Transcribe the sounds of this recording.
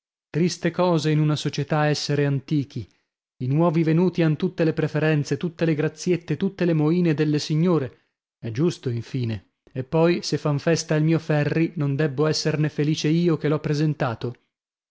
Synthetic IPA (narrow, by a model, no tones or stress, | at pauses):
t̪ɾist̪ekɔːzeinunasot͡ʃet̪aɛsːeɾeant̪iːk̟ʰi | inwɔːvivenuːt̪ianot̪ut̪ːelepɾefeɾɛnt̪set̪ut̪ːeleɡɾat̪sjet̪ːet̪ut̪ːelemoiːned̪elːesiɲːoːɾe | ɛd͡ʒust̪oiɱfiːneː | pːɔjsefːaɱfɛst̪ailmiːofɛrːinond̪ɛbːoɛsːernefeliːt͡ʃeiːokelɔpːɾezent̪aːt̪o